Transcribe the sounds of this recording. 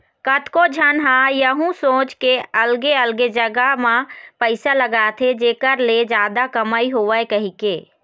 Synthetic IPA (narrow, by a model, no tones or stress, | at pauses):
kət̪kod͡ʒʱənɦãjəɦũsõːt͡ʃkeəlɡeəlɡed͡ʒəɡamãpəɪsaləɡaːt̪ʰɦed͡ʒeːkəɾled͡ʒjaːd̪akəmaːiɦoʋəjkəɦikeː